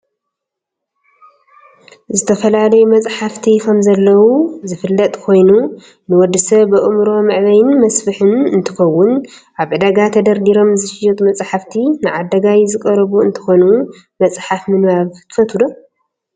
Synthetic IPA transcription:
zɨt̪ʰɐfɐlalɐjumɐt͡sʼħaft̪ʰikʰɐmzɐlːɐwuzɨfɨlːɐt̪ʼkʰo̞jnu | nɨwɔd̪ːɨsɐβːɨʔʼɨmɾo̞mɨʕβɐjɪnmɐsfɨħɨnɨnt̪ʰɨ̥xɐwːʊn | ʔaβʕɨd̪aɡat̪ʰɐd̪ɐɾd̪iɾo̞mzɨʃɪjɐt̪ʼmɐt͡sʼħaft̪ʰinɨʕad̪ɐɡajzɨkʼɐɾɐβuɨnt̪ʰɨ̥xo̞nu | mɐt͡sʼħafmɨnβaβt̪ʰɨ̥fɐt̪ʰud̪o

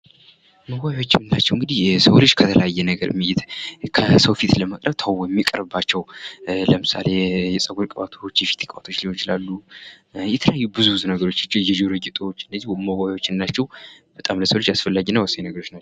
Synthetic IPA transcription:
məwawawot͡ʃːɪmnnat͡ʃːɛwŋɡɨd̪ihsəwled͡ʒkʰət̪ʰələjajːɛnəɡəɾmɨjɪt̪kʰəsəwfit̪ləməkʼɾəβt̪ʰawojɛmːikʼəɾɨbat͡ʃːɛwləmɨsa̰le̞jɛsʼəɡuɾkʼəβat̪ʰot͡ʃːjɛfi̥t̪ʰkʼwa̰t̪ʰot͡ʃːlihot͡ʃɪlalːu | jɛt̪ʰələjajːubɨzuwɨzunəɡəɾo̞t͡ʃːat͡ʃːɛjɛd͡ʒoɾɨɡɛt̪ʼwo̞t͡ʃːɨnd̪əzihməwawawot͡ʃːɪnnat͡ʃːɛwb̥ət̪ʼamləsəwled͡ʒasfəlːaɡinːəwəsːəɲnəɡəɾo̞t͡ʃːna

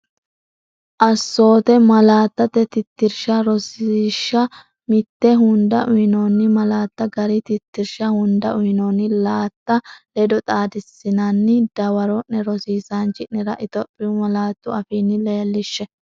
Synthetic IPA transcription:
ʔɐsːo̞ːt̪ɛmɐlaːt̪ːɐt̪ːɛt̪ɪt̪ːɪɾʃɐɾɔsɪʃːɐ | mɪt̪ːɛɦʊnd̪ɐʔʊjɪnoːnːɪmɐlaːt̪ːɐɡɐɾɪt̪ɪt̪ːɪɾʃɐhʊnd̪ɐʔʊjɪnoːnɪlaːt̪ːɐlɛd̪ɔt̪ʼaːd̪ɪsːɪnɐnːɪd̪̥ɐwɐɾɔʔɛɾɔsiːsant͡ʃɪʔnɪɾɐʔɪt̪ɔpʼːɪjʊmɐlaːt̪ːʊɐfiːnːɪleːlːɪʃːɛ

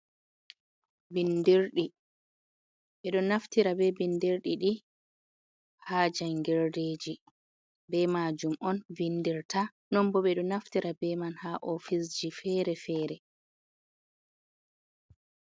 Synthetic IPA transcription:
bindiɾɗi | ɓɛɗɔnaftiɾabɛbindiɾɗiɗi | haːd͡ʒajŋɡɛɾdeːd͡ʒi | bɛmad͡ʒumʔɔnvindiɾta | nɔmbɔɓɛɗɔnaftiɾabɛmanhaʔɔfis̬d͡ʒifɛɾɛfɛːɾɛ

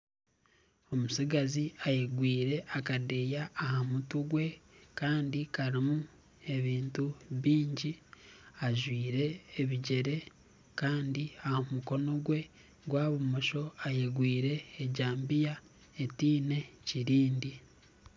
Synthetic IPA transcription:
o̞musiɡaziajeɡwiːɾe̞ʔakadejaːhamutuɡwe̞kaːndikaɾimu | e̞βiːntuβiːɲɟiaʒwiːɾe̞ːβiɟe̞ɾe̞ | kaːndiahomuko̞no̞ɡwe̞ | ɡwaːβumoʃo̞ajeɡwiːɾe̞ːɟaːmbija | etiːne̞ciɾiːndi

